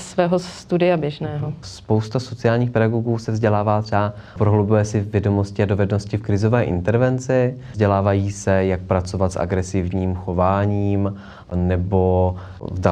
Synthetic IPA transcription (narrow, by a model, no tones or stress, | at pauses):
svɛːɦost̪udɪjabjɛʒnɛːɦospo̞wst̪aso̞t͡sɪaːlɲiːxpɛdaɡoɡuːsɛvzɟɛlaːvaːt̪r̥ɛa | pɾoɦlowbujɛsɪvjɛdo̞mo̞scɪado̞vɛdnoscɪfkɾɪzo̞vɛːʔɪ̰nt̪ɛɾvɛnt͡sɪ | zɟɛlaːvajiːsɛjak̚pɾat͡sovat̪sʔa̰ɡɾɛsɪvɲiːmxo̞vaːɲiːm | nɛbo̞ | vda